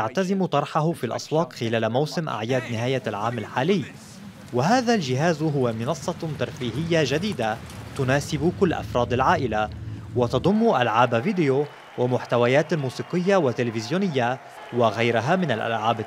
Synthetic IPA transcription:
aʕt̪azɪmt̪ˤɑɾˤħaɦʊfilʔɑ̰sˤwɑːq̪xɪlaːlmawsɪmʔa̰ʕjaːd̪nɪɦaːjalʕaːmalħaːlɪjː | wɪɦaːðalʒɪɦaːzɦʊwamɪnɑsˤːɑt̪ɑɾˤfiːɦɪjːaʒad̪iːd̪at̪ʊnaːsɪbkʊlːʔɑ̰fɾˤɑːd̪alʕaːʔɪlawɪt̪ɑd̪ˤʊmːʔalʕaːbviːd̪ɪjo | wamʊħt̪awajaːt̪almuːsiːqɪjːawat̪ːɪlɪfɪzjuːnɪjːa | waɣajɾɪɦamɪna̰lʔa̰lʕaːb

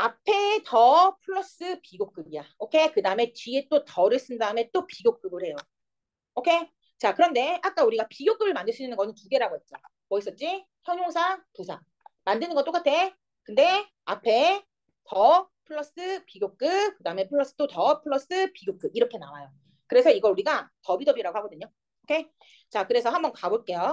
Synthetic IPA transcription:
apʰe̞tʌpʰɯɭːʌs͈ɯpiɡok͈ɯbijaokʰe̞kɯdaɯme̞t͡ɕiet͈otʌɾɯs͈ʰɯndaɯmet͈opiɡjok͈ɯɾɯɾhe̞jo | okʰe̞ | t͡ɕakɯɾʌnde̞ak͈auɾiɡapiɡjok͈ɯbɯɭmandɯɭsʰiinɯnɡʌnɯntuɡe̞ɾaɡoet̚t͡ɕ͈a | pʌis͈ʌt̚t͡ɕ͈i | çjʌɲjoŋsʰatosʰa̰ | mandɯnɯnŋɡʌt͈ok͈atʰe̞ | kɯnde̞ | apʰe̞ | tʌpʰɯɭːʌs͈ɯpiɡjok̚k͈ɯkɯdaɯme̞pʰɯɭːʌs͈ɯ̥t͈otʌpʰɯɭːʌs͈ɯpiɡjok͈ɯbiɾʌkʰe̞nawajo | kɯɾe̞sʰʌiɡʌuɾiɡatʌbidʌbiɾaɡohaɡʌdɯɲo | okʰe̞ | t͡ɕakɯɾe̞sʰʌɦhambʌnkaboɭk͈e̞jo

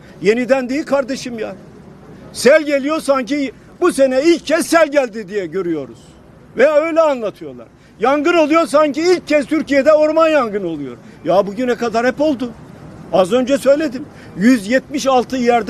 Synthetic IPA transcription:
je̞nid̪ænd̪iilʲkʰaɾd̪eʃɯmja | sælʲɟe̞lʲijo̞ɾsaɲci | buse̞nɛilʲccʰːɛssælʲɟælʲd̪id̪ijɛɟø̞ɾyjo̞ɾṵz̥ | vɛjaøjlʲɛanlˠat̪ʰɯjo̞lˠa̰ɾ̥ | jaŋɡɯno̞lˠujo̞ɾs̬aɲciilʲc̚ʰːɛst̪ʰyɾcijed̪ɛo̞ɾmanjaŋɡɯno̞lˠujo̞ɾjabuɟynɛkad̪aɾhɛpo̞lˠd̪ʊ | azø̞nd͡ʒɛsø̞jlʲe̞d̪im | jyzjɛt̪̚miʃalˠt̪ʰɯjæɾd̪

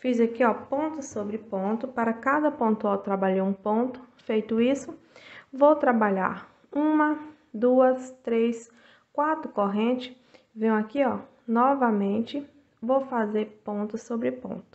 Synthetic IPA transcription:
fizɐkiɔpõnt̪ʊsobɾɪpõt̪ʊpaɾɐkad̪ɐpõt̪uawt̪ɾabaʎeũpõt̪ʊ̥fejt̪ʊisʊ | vowt̪ɾabaʎa̰ɾ | ũmɐ | d̪uɐst̪ɾes | kwat̪ɾʊkoɦẽt͡ʃɪ̥ | vẽj̃akiɔ | nɔvɐmẽnt͡ʃɪ | vowfazeɾpõnt̪ʊsobɾɪpõ̰t̪ʊ̥

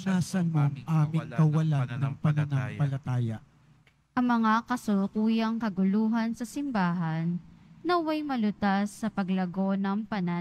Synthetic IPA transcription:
naːsɐnoŋʔaːmɪŋkɐwɐlanːɐŋpɐnɐnaŋpɐlɐt̪aːjɐ | ʔɐŋmɐŋakɐsʊnʊkuːjɐŋkɐɡʊluːɦɐnsɐsɪmbaːɦɐnːɐwɐjmɐlʊt̪asːɐpɐɡlɐɡo̞nɐŋpɐna

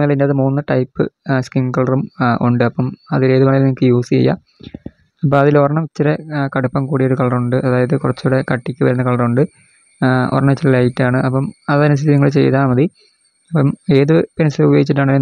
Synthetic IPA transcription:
ɐlindeaːðɨmuːnːɨʈɐjpːɨ̰skiŋkɐɭɐrumṵɳɖɨɐpːɐmɐðile̞ːðɨkɐɳɐlniŋikːɨjuːsijɐ̰jːa̰ | ɐpːɐmɐðilorɐɳɐmt͡ɕːiɾekɐɽupːɐmkuːɽijo̞ɾukɐɭɐruɳɖɨʔɐðaːjɐðɨkurɐt͡ɕːuɽekɐʈːikʲːɨʋɐɾunːɐkɐɭɐruɳɖɨ | o̰rɐɳɐt͡ɕːiɾilaːjitːaːɳɨʔɐpːɐmɐðɐnɐst̪ʰiiiŋːɐɭt͡ɕe̞̰jt̪aːmɐði | ɐpːɐme̞ːðɨpinɐsɐubjeːit͡ɕːiʈ̬ːaːɳː

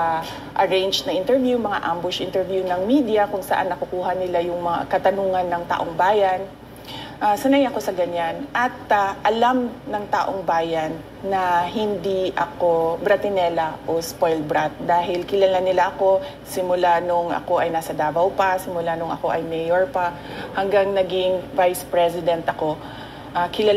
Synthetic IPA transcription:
a | ʔɐɹejnd͡ʒ̪nɐʔɪnt̪ɛɹvjumɐŋa̰ʔambʊʃʔɪnt̪ɛɹvjunɐŋmiːd̪ɪjɐkʊŋsɐ̰ʔa̰nːɐkʊkuːɦɐnɪlajʊŋmɐŋa̰kɐt̪ɐnuːŋɐnːɐŋt̪a̰ʔoŋbaːjɐn | ʔasɐnajɐko̞sɐɡɐɲanʔɐt̪̚aʔɐlamnɐŋt̪a̰ːʔoŋbaːjɐnː | ɐhɪnd̪iʔɐ̰ko̞bɾɐt̪ɪnɛlɐʔospojlbɾat̪̚d̪aːɦɪlkɪlɐlanɪlaʔɐko̞ | sɪmʊlanʊŋʔɐ̰ko̞ʔɐjnaːsɐd̪aːbɐwpɐsɪmʊlanʊŋɐ̰ko̞ʔɐjmɛjoɹpa | hɐŋɡaŋnɐɡɪŋvajspɹɛsɪd̪ɛnt̪ʔɐko̞ | ʔakɪlɐ

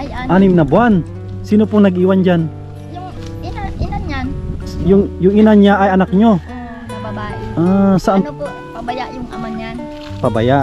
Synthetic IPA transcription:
ʔanɪmnɐbwan | siːnopʊŋnɐɡʔiːwand͡ʒan | jʊŋjʊŋʔɪnanɲaʔajɐnak̚ɲo | ʔasaʔan | pɐba̰jaʔ

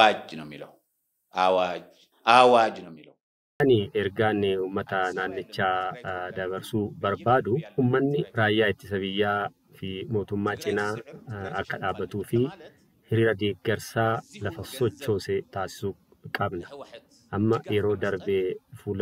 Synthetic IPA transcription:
aːd͡ʒɪnɐmɪlɐ | aːwad͡ʒ | aːwaːd͡ʒɪnɐmɪlɐ | ɐnɪɛɾɡaːnuːmːɐt̪ɐnaːnːɪt͡ʃːaːd̪ɐbɐɾsuːbɐɾbaːd̪ʊhuːmːɐnːɪɾaːjːaːɪt̪ːɪsɐβɪjːaː | fɪmoːt̪ʊmːaːt͡ʃʼɪnaːɐkːɐᶑaːbːɐt̪uːfɪ | hɪɾiːɾɐd̪eːɡːɛɾsaːlɐfɐsɔt͡ʃːo̞ːsɛt̪aːsɪ̥suː | kʼɐbnɐ̥ | ʔɐmːɐjɛɾo̞ːd̪ɐɾbeːfuːl

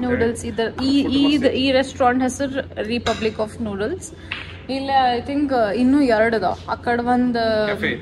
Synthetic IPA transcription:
njuːɖɐlsid̪ɐɾiiːd̪iːɾesʈɾãːɳʈɦɛsɐɾɾipɐblikɔːfnjuːɖɐls | ilːaajt̪ʰĩŋkinːuːɛɾəɽud̪o̰ːɐkːɐɽɐʋɐnd̪

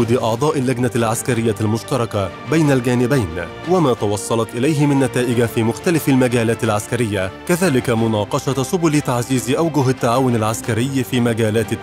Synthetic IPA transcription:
d̪ʔɑʕd̪ˤɑːʔɪlːaɡnalʕaskaɾɪjːalmʊʃt̪ɑɾˤɑka | bajnalɡaːnɪbajn | wamaːt̪ɑwɑsˤːɑlɑt̪ʔɪlajɦɪmɪnːat̪aːʔɪɡafiːmʊxt̪alafalmaɡaːlaːt̪ɪlʕaskaɾɪjːakaðaːlɪkamʊnɑːqɑʃɑsʊbʊlɪt̪aʕziːzʔawɡʊɦɪt̪ːaʕaːwʊnalʕaskaɾɪjːfiːmaɡaːlaːt̪ɪ

